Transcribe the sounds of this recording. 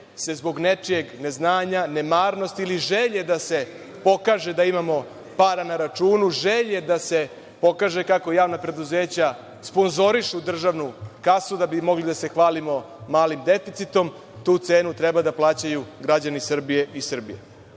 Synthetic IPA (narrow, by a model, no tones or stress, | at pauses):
se̞zbo̞ɡne̞t͡ʂije̞ɡne̞znaːɲane̞maːɾno̞st̪iliʒeʎe̞d̪ase̞ | po̞kaːʒe̞d̪aimamo̞ | paːɾanaɾat͡ʃuːnuʒe̞ʎed̪ase̞ | po̞kaːʒe̞kako̞jaːʋnapɾe̞d̪uzeːt͡ɕa | spo̞nzo̞ɾiʃud̪r̩ʒaʋnukasud̪abimo̞ɡlid̪ase̞xʋaːlimo̞ | maːlimd̪e̞fit̪sit̪o̞m | t̪uːt̪se̞ːnut̪ɾɛbad̪aplˠaːt͡ɕajuɡɾad͡ʑanisr̩bije̞ʔisr̩bijḛ